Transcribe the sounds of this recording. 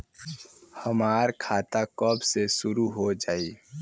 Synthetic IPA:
həmaːɾkʰaːt̪akɔːbsesʊɾuɦod͡ʒaːiː

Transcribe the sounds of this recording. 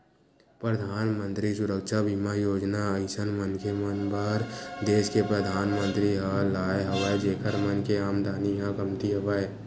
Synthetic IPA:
pɾəd̪ʱaːnmə̃nt̪ɾisʊɾəkʃʰabʱimajoːd͡ʒnaəɪsənmənkʰemənbəɾd̪eːskepɾəd̪ʱaːnmə̃nt̪ɾiɦãlaːeɦəʋaed͡ʒeːkʰəɾmənkeaːmd̪ʱaːniɦãkəmt̪iɦəʋae

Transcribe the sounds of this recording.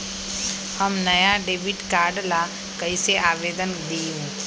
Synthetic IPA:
həmnɐjaɖeːʋɪʈkaːɾɖla | kɐiseʔaːʋeːd̪ənd̪iũ

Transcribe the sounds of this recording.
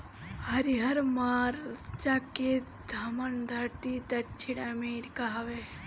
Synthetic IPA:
hɐɾiɦɐɾmaːɾt͡ʃake | d̪ʱɐmɐnd̪ʱɐɾt̪id̪ɐt͡ʃʰiɽɐmeːɾikaɦɐʋe

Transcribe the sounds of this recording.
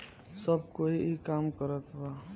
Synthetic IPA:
səbkoiikamkəɾət̪ʰba

